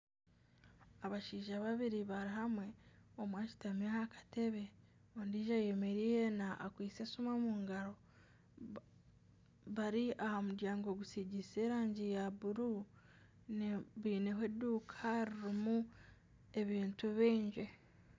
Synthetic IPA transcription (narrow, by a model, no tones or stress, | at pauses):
aβaʃiːʒaβaβiɾiβaɾiɦamwe̞omwaːt͡ʃi̥tamiahakḁte̞βe̞ | ondiːʒaje̞me̞ɾijenaʔːkwiːsesumamuːŋɡaɾo̞ | βaɾiʔahamudjaːŋɡo̞ɡusiɟise̞ːɾaːɲɟijaβuɾu | nβiːneɦwedukʰaɾiɾimu | e̞βiːntuβiːɲʒe